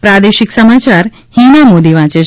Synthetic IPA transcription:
pɾad̪eʃɪksəmat͡ʃaɾ | hinamod̪iʋãːt͡ʃe

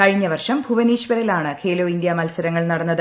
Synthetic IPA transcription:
kɐɻiɲːɐʋɐrʂɐmbʱuʋɐniːɕʋɐlilaːɳɨkʰe̞ːloːind̪jɐmɐlsɐɾɐŋːɐɭnɐɽɐnːɐðɨ

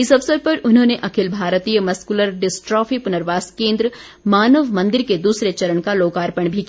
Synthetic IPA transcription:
ɪsɐbsəb̚pɐɾʊnɦõːneʔɐkʰɪlbʱaːɾt̪ijəmɐskuləɾɖɪsʈɾɔːfʰipʊnəɾʋaːskẽːnd̪ɾə | maːnəʋmɐ̃nd̪ɪɾked̪uːsɾet͡ʃɐɾəɳkaloːkaːɾpəɳ̃bʱiki

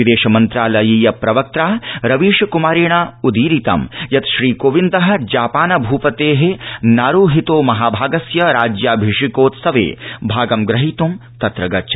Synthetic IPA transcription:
ʋid̪eːʃɐmɐnt̪ɾaːlɐjiːjɐpɾɐʋɐk̚t̪ɾaːɾɐʋiːʃɐkumaːɾeːɳaːud̪iːɾit̪ɐ̰mjɐt̪ʃɾiːkoːʋind̪ɐɦɐ̆d͡ʒaːpaːnɐbʱuːpɐt̪eːɦenaːɾuːɦit̪oːmɐɦaːbʱaːɡɐsjɐɾaːd͡ʒjaːbʱiʂikoːt̪sɐʋḛːbʱaːɡɐmɡɾɐɦit̪umt̪ɐt̪ɾɐɡɐt͡ʃʰɐ̥

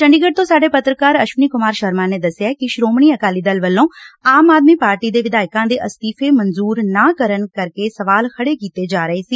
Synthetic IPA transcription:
t͡ʃəɳɖiːɡəʈ̚t̪õːsaːɖeːpət̪ɾəkaːɾəʃʋniːkʊmaːɾʃəɾmãːneːd̪əsːɪjaːkɪʃɾoːmɳiːəkaːliːd̪əlʋəlːõːaːmaːd̪miːpaːɾʈiːd̪eːʋɪd̪aːɪkãːd̪eːʔəst̪iːfʰeːmənzuːɾnaːkəɾənkəɾkeːsəʋaːlkʰəɽeːkiːt̪eːd͡ʒaːɾəeːsiː

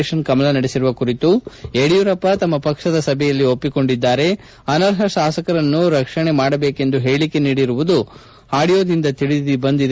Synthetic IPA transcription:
ʃɐnkɐmɐlɐnɐɽesiɾuʋɐkuɾit̪ueɽijuɾɐpːɐt̪ɐmːɐpɐkʂɐd̪ɐsɐbʱɛjɐlːio̞pːiko̞ɳɖid̪ːaːɾe̞ | ɐnɐɾɦɐʃaːsɐkɐɾɐnːuɾɐkʂɐɳe̞maːɽɐbeːke̞nd̪uɦe̞ːɭike̞niːɽiɾuʋud̪u | haːɽijoːd̪ind̪ɐt̪iɭid̪ibɐnd̪id̪e

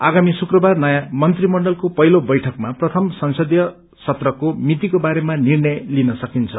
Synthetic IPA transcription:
aɡamisukrʌbarnʌjamʌnt̪rimʌɳɖʌlkopʌɦilobʌjʈʰʌkmaprʌt̪ʰʌmsʌnsʌd̪jʌ | sʌt̪rʌkomit̪ikobaɾemanirnʌjlinʌsʌkint͡sʰʌ

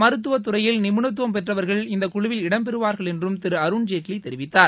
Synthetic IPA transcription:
mɐɾɯt̪ːɯʋɐt̪̬ːʊɾɐjɪlnɪmɯɳɐt̪ːɯʋɐmpɛʈrɐʋɐɾɣɐɭɪnd̪ɐkʊɻʊʋɪlɪɽɐmp̬ɛɾɯʋaːɾɣɐɭɛndrɯmt̪ɪɾɯɐɾʊɳd͡ʒeːʈliɪt̪ːɛɾɪʋɪt̪ːaːɾ

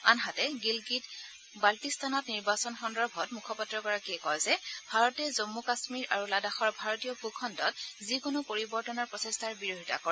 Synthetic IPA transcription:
a̰nɦatɛɡilɡit | baltistʰanɔtniɹbasɔnxɔndɔɹbʱɔtmukʰɔpatːɹɔɡɔɹakiɛkɔjzɛb̥ʱaɹɔtɛzomːukasmiɹʔaɹuladaxɔɹbʱaɹɔtijɔpukʰɔntɔt̚zikonopoɹibɔɹtɔnɔɹpɹɔsestʰaɹbiɹoɦita̰kɔɹ

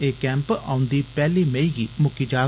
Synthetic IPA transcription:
eːkɛ̃ːmpa̰ːʊ̃nd̪iːpɛːliːmeiːɡiːmʊkiːd͡ʒaː

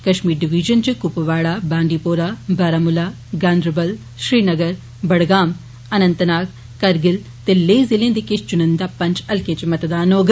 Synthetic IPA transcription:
kɐʃmiːɾɖɪʋiːʒənt͡ʃɨkʊpʋaːɽaːbãːɳɖiːpoːɾaːbʱaːɾaːmʊlaː | ɡaːnd̪ɾəbəl | ʃɾiːnɐɡəɾ | bɐɽɡaːm | ɐnə̃nt̪naːk | kɐɾɡɪl | t̪eleːzɪlẽːd̪ikɪst͡ʃʊnənd̪aːpɐ̃ɲt͡ʃɐlket͡ʃmɐt̪d̪aːnoːɡ

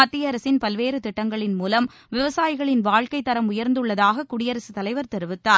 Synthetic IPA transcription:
ɐt̪ːɪjɐɾɐsɪnpɐlʋeːɾɯt̪ɪʈːɐŋɡɐɭɪnmuːlɐm | ʋɪʋɐsaːjɪɣɐɭɪnʋaːɻkɐɪt̪ːɐɾɐmʊjɐɾnd̪ɯɭːɐðaːɣɐkʊɽɪjɐɾɐsɯt̪ɐlɐɪʋɐɾt̪ɛɾɯʋɯt̪ːaː

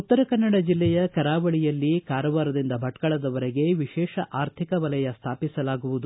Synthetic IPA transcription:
ut̪ːɐɾɐkɐnːɐɽɐd͡ʒilːɛjɐkɐɾaːʋɐɭijɐlːikaːɾɐʋaːɾɐd̪ind̪ɐbʱɐʈkɐɭɐd̪ɐʋɐɾeɡe̞ʋiʃɛːʃɐʔaːɾt̪ʰikɐʋɐlɐjɐst̪ʰaːpisɐlaːɡuʋud̪u

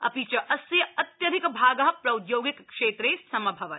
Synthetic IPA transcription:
ɐ̰pit͡ʃɐʔɐsjɐɐt̪jɐd̪ʱɪkbʱaːɡɐɦɐpɾɐud̪joːɡikkʂeːt̪ɾeːsɐmɐbʱɐʋɐt̪

